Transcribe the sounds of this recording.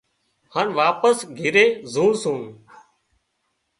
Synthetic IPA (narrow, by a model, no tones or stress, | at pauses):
hanʋaːpəsɡʱɪɾeːzuːɾsũː